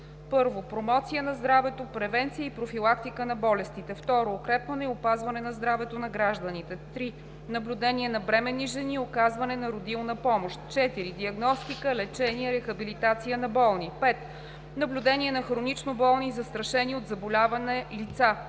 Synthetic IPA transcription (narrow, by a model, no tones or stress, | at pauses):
pɤɾvopɾomɔt̪sijənɐzd̪ɾavɛt̪opɾɛvɛnt̪sijəipɾofilˠak̚t̪ikənɐbɔlɛst̪it̪ɛft̪ɔɾoːkɾɛpvənɛiopazvɐnɛnɐzd̪ɾavɛt̪onɐɡɾaʒd̪ənit̪ɛt̪ɾi | nɐblʲud̪ɛniɛnɐbɾɛmɛnːiʒɛniokazvɐnɛnɐɾod̪ilˠnəpɔmoʃt̪t͡ʃɛt̪iɾid̪iɐɡnɔst̪ikəlɛt͡ʃɛniəɾɛxɐbilit̪at̪sijənɐbɔlˠnipɛt̪ | nɐblʲud̪ɛnʲiɛnɐxɾonit͡ʃnobɔlˠnizɐst̪ɾɐʃɛniod̪zɐbolʲavɐnɛlit̪sa